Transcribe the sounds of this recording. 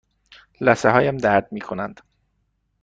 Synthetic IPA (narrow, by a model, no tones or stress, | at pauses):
læseɦɒːjæmd̪æɾd̪̚miːkʰonænd̪̥